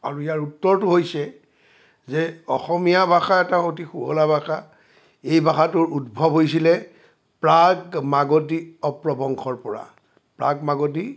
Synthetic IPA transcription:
a̰ɹuijaɹutːɔɹtʊɦojsɛ | zɛɔxɔmijabʱaxaɛtaxotixuɦɔlabʱaxa | ejbʱaxatʊɹudbʱɔbɦojs̬ilɛ | pɹaɡmaɡotiɔpɹɔbɔŋxʰɔɹpɔɹa̰ | pɹaɡmaɡoti

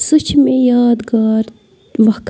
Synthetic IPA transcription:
sut͡ʃʰmejaːd̪ɡaːɾ | ʋɐk

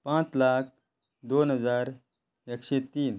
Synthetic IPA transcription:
pãt͡slak̚ʰ | d̪onɦəd͡zaɾ | ekɕet̪iːn

